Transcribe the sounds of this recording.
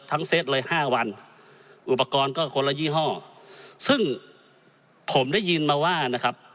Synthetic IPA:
t̪ʰːa˦˥ŋse˦˥t̪̚lɤː˧˩jhaː˥˩wa˧n | ʔu˨˧˩pːa˧kɔː˧nkɔː˥˩kʰo˧nla˧jiː˥˩˨ɦɔː˥˩sɯ˥˩ŋ | pʰo˩˦mda˥˩˨jɯː˧nmaː˧waː˧˥˩na˧˩kʰa˦˥p̚

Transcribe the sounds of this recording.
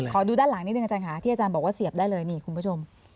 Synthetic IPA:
kʰɔː˩˦duː˧daː˥˩nla˨˩˦ŋni˥˩n˧ʔt͡ɕaː˧nkʰa˦t̪ʰiː˥˩a˧t͡ɕaː˧nbɔː˨˩kwaː˥˩si˨˩əp̚daː˥˩jlɤː˧jniː˧˩kʰu˧npʰu˥˩t͡ɕʰo˧m

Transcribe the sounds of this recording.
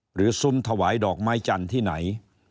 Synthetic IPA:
ɾɯː˩˦˥su˧mt̪ʰa˧waː˩˦jdɔː˨˩k̚ma˦˥jt͡ɕa˧nt̪ʰiː˥˩na̰˩˦j

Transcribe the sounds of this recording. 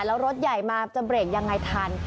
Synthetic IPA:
lɛː˦˥wɾo˦˥t̪̚ja˨˩jmaː˧t͡ɕa˨˩bɾeː˨˩k̚ja˧ŋːa˧jt̪ʰaː˧n

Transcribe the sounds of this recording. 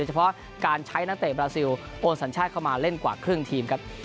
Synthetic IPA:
oː˧jt͡ɕʰa˧pʰɔ˦˥ʔ | kaː˧nt͡ɕʰa˦˥jna˦˥kt̪ɛː˨˩bɾaː˧si˧w | ʔoː˧nsa˩˦nt͡ɕʰaː˥˩t̪̚kʰa˥˩wmaː˧le˥˩nkwaː˨˩kʰɾɯ˥˩əŋt̪ʰiː˧mkʰa˦˥p̚

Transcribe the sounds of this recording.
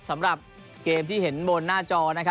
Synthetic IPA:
sa˩˦mɾa˨˩p̚ | keː˧mt̪ʰiː˥˩he˩˦nbo˧nːaː˥˩t͡ɕɔː˧na˦˥kʰ

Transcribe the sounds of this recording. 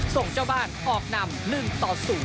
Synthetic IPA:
so˨˩ŋt͡ɕa˧wbaː˧˩nkʰɔː˧˩k̚na˧˩mlɯ˧˩ŋt̪ɔː˨˩suː˨˩˦

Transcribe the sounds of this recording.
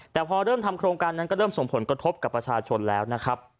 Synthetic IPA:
t̪ɛː˨˩pʰɔː˧ɾɤː˥˩mt̪ʰa˧mkʰɾoː˧ŋkaː˧nːa˦˥nkɔː˥˩ɾɤː˥˩mso˨˩ŋpʰo˩˦nkɾa˧t̪ʰo˦˥p̚ka˨˩pːɾa˧t͡ɕʰaː˧t͡ɕʰo˧nlɛː˦˥wna˦˥kʰɾa˦˥p̚

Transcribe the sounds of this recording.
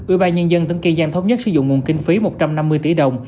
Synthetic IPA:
ʔi˧˩ɓaː˧nɲə˧nzə˧nt̪ŋki˧nzaː˧nt̪ʰə˨˦wŋ͡mɲə˦˥sɨ˨˧˦zʊ̰˧˨ŋ͡mŋu˨˩ənkï˧ŋ̟fi˨˦mo˨˩t̚t͡ɕa˧mna˧mːɨ˧əjt̪i˧˩˦ɗə˨˩wŋ͡m

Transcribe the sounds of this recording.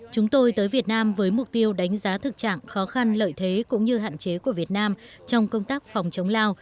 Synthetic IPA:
t͡ɕʊ˨˦ŋ͡mt̪o˧jt̪əː˨˦jvi˨˩ət̚naː˧mvəː˨˦jmʊ˨˩k͡p̚t̪i˧əwɗa˨˦jŋ̟zaː˨˦t̪ʰɨ˨˩k̚t͡ɕa̰ː˧˨ŋxɔ˨˦xa˧nlə̰ː˧˨jt̪ʰe˨˦kʊ̰˧˥ŋ͡mɲɨ˧ɦa̰ː˧˨nt͡ɕe˨˦ku˧˩əvi˨˩ət̚naː˧m | t͡ɕɔ˧wŋ͡mkə˧wŋ͡mt̪aː˦˥k̚fɔ˨˩wŋ͡mt͡ɕə˨˦wŋ͡mlaː˧w

